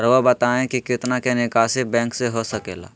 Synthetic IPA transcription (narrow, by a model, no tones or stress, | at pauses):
ɾʋəbɐt̪aːẽkikɪt̪nakenɪkaːsɪbɛ̃ːŋkseɦosɐkḛːla̰ː